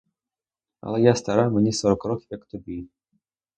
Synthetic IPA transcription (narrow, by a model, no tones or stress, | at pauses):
a̰lˠɛjast̪aɾamnʲisɔɾɔkɾɔkʲjakt̪ɔbʲi